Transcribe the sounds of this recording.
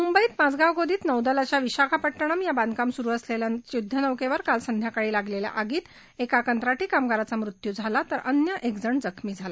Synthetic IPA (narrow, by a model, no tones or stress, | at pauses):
mumbəiːt̪mad͡zɡaʋɡod̪iːt̪nəʋd̪əlat͡ɕjaʋiɕakʰapəʈːəɳ̃amjaband̪kamsuɾuːəsleljajud̪ʱːənəʋkeʋəɾkalsənd̪ʱjakaɭiːlaɡlelja̰ʔaɡiːt̪ | ekakənt̪ɾaʈiːkamɡaɾat͡samɾut̪jud͡zʱalat̪əɾənjəʔekd͡zəɳd͡zəkʰmiːd͡zʱala